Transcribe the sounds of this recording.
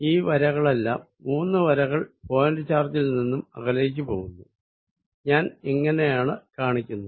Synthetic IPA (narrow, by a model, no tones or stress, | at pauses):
iːʋɐɾɐɣɐɭe̞lːa̰ːmːuːnːɨʋɐɾɐɣɐɭfo̞ːjɐnɾit͡ɕːaːrt̪ːilninːumɐ̰ɣɐlɐjikʲːɨpo̞̰ːɣunːu | ɲaːneŋːɐne̞jaːɳɨkaːɳikʲːunːu